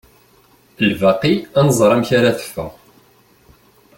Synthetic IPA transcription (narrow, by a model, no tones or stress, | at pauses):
əlvæqiænəzˤɾˤæmçaɾaθə̥fːæ̰